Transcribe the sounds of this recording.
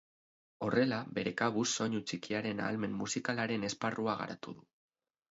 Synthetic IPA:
o̞re̞labe̞ɾe̞kaβusːo̞ɲut͡sikiaɾe̞na̰ːlme̞mːusikalaɾe̞ne̞sparuaɣ̞a̰ɾa̰t̪uðu

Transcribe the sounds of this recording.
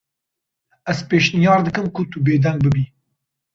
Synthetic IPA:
ɛzpeːʃnijɑːɾd̪ɨkɨmkʰʊt̪ubeːd̪ɛŋɡ̚bɨbiː

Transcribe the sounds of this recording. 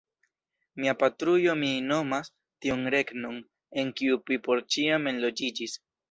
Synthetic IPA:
miapatɾujo̞mino̞mas | tionɾe̞kno̞n | e̞nkiuvipo̞ɾt͡ʃiame̞nlo̞d͡ʒid͡ʒis

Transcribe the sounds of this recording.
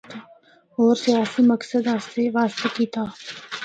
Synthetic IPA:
ɔːɾsijaːsiməksəd̪aseʋaːst̪ekiːt̪aː

